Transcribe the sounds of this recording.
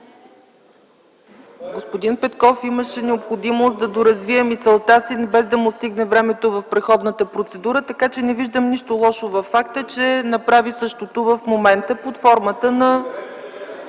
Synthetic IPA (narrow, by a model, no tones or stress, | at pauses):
ɡospod̪inpɛt̪kɔfiməʃɛnɛopxod̪imosd̪ɐd̪oɾɐzviɛmisɛlˠt̪asibɛzd̪ɐmost̪iɡnɛvɾɛmɛt̪ovɐfpɾɛxɔd̪nət̪əpɾot̪sɛd̪uɾət̪ɐkat͡ʃɛnɛviʒd̪əmniʃt̪olˠɔʃovɐfːakt̪ət͡ʃɛnɐpɾavisɤʃt̪ot̪ovəfmomɛnt̪əpot̪fɔɾmət̪ənɐ